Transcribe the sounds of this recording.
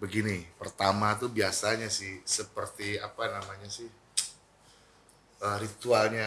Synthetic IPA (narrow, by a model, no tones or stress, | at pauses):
bəɡinipərt̪amat̪ubiasaɲasɪhsəpərt̪iapanamaɲasɪh | əːrit̪ualɲa